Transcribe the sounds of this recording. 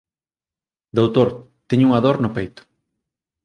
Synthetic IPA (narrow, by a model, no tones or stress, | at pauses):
d̪owt̪oɾ | t̪ɛɲuŋaðoɾnʊpejt̪ʊ̥